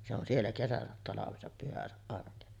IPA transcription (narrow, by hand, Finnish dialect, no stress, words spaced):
se on sielːæ kesæsæt tɑlɑʋesɑp pyhæsæʔ ʔɑrkesɑ